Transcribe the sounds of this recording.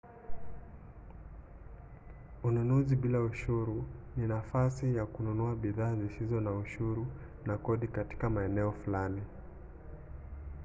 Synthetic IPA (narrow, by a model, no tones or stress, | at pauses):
ununuziɓilauʃuɾuninafasijakununuaɓiðaːzisizɔnauʃuɾu | nakɔɗikati̥kamaɛnɛɔfulani